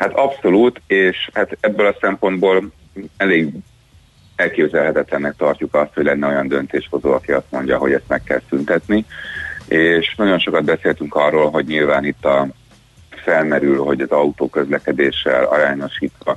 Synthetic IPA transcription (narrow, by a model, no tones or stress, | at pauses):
hat̪ɒpso̞luːt̪eːʃhat̪ɛbːølɒsɛmpo̞nd̪boːl | ɛleːɡ | ɛlkeːbzɛlɦɛt̪ɛt̪lɛnːɛk̚t̪ɒrcukɒst̪ho̞ɟlɛnːɛo̞jɒnd̪ø̞n̪t̪eːʃho̞zoːɒkiɒst̪mo̞ɲɟɒɦo̞̰ɟɛst̪mɛkːɛlsynt̪ɛt̪ni | eːʃnɒɟo̞nʃo̞kɒd̪̚bɛseːlt̪yŋkɒrːoːlɦo̞ɟɲilvaːnit̪ːɒ | fɛlmɛɾylɦo̞ɟɒzɒut̪oːkø̞zlɛkɛd̪eːʃɛ̰lɒ̰ɾaːɲo̞ʃiːt̪ʋɒ